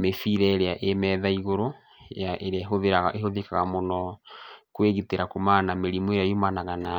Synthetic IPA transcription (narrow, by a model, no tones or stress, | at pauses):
mefiɾɛeɾeaʔemɛðaiɣoɾo | jaʔeɾaɦoðeaeɦoðekaɣamonɔkweɣiteɾakomanameɾimoeɾaomanaɣana